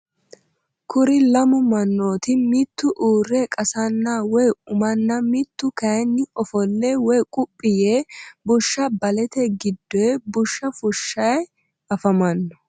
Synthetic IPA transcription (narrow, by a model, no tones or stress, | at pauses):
kʰʊɾɪlɐmʊmɐnːo̞ːt̪ɪmɪt̪ːʊʔuːrːekʼɐsɐnːawɔjʊmɐnːɐmɪt̪ːʊkɐjnːɪɔfɔlːeːwɔjkʼʊpʼːɪjeːbʊʃːɐbɐlɛt̪ɛɡɪd̪ːɔbʊʃːɐfʊʃːɐj | ɐfɐmɐnːɔ̥